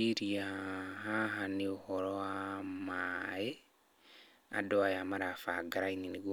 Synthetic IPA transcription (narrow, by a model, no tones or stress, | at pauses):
iɾiaɦaɦaneohɔɾɔwamae | a̰dɔajamaɾafaɡaɾainineɡo